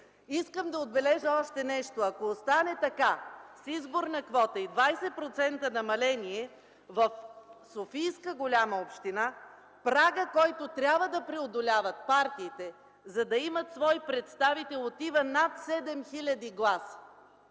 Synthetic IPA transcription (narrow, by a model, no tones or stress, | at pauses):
iskəmd̪ɐod̪̚bɛlɛʒəɔʃt̪ɛnɛʃt̪oɐkoːst̪anɛt̪ɐkasizboɾnɐkvɔt̪əid̪vajsɛtpɾot̪sɛnt̪ənɐmɐlɛniɛ | vɐfsofijskəɡolʲaməopʃt̪ina | pɾaɡəkɔjt̪ot̪ɾʲabvəd̪ɐpɾɛod̪olʲavət̪̚paɾt̪iːt̪ɛ | zɐd̪ɐimɐt̪svɔjpɾɛt̪st̪avit̪ɛlˠot̪ivənat̪sɛd̪ɛmxilʲɐd̪iɡlˠasə̥